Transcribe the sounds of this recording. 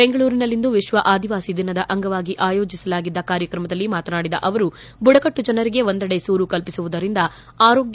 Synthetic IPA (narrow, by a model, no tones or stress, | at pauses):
be̞ŋɡɐɭuːɾinɐlːind̪uʋiʃʋɐʔaːd̪iʋaːsid̪inɐd̪ɐʔɐŋɡɐʋaːɡiʔaːjo̞ːd͡ʒisɐlaːɡid̪ːɐkaːɾjɐkɾɐmɐd̪ɐlːimaːt̪ɐnaːɽid̪ɐ̰ʔɐʋɐɾu | buɽɐkɐʈːud͡ʒɐnɐɾiɡe̞ʋo̞nd̪ɐɽe̞suːɾukɐlpisuʋud̪ɐɾind̪ɐ | aːɾo̞ːɡj